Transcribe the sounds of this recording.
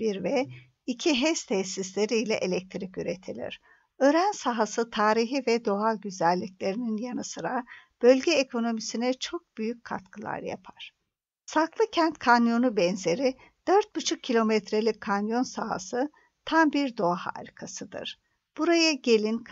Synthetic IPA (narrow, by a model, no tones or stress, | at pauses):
iɾvɛ | icʰiɦɛst̪ʰɛsislʲe̞ɾijlʲɛ̰ʔelʲɛc̚t̪ʰɾicyɾe̞t̪ʰilʲḭɾ̥ | ø̞ɾænsaɦasɯt̪ʰaːɾiɦivɛd̪o̞ɦaɟyzælʲːiclʲe̞ɾininjanɯsɯɾab̥ø̞lʲɟɛːkʰo̞no̞misinɛt͡ʃʰo̞k̚b̥yjyc̚ʲkʰa̰t̪kʰɯlˠa̰ɾja̰pʰaɾ̥ | saklˠɯcʰɛnt̪kʰanjo̞nubɛnze̞ɾi | d̪̥øɾt̪̚bɯt͡ʃʰuk̚ʰːilʲo̞mɛt̪ɾe̞lʲic̚kʰːanjo̞nsaɦa̰sɯ | t̪ʰambiɾd̪o̞aha̰ɾikʰasɯd̪ɯ̰ɾ̥ | b̥uɾajɯɟe̞lʲink